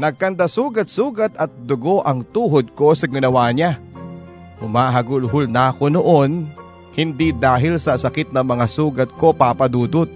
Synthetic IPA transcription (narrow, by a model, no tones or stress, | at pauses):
nɐɡ̚kɐnd̪asuːɡɐt̪̚suːɡɐt̪ɐt̪̚d̪ʊɡoʔɐŋt̪uːɦod̪̚ko̞sɐɡɪnɐwaːɲa | hʊmaːɦɐɡʊlɦʊlnakonoʔo̞n | hɪnd̪id̪aːɦɪlsɐsɐkɪt̪̚nɐmɐŋasuːɡɐt̪̚ko̞paːpɐd̪uːd̪ot̪̚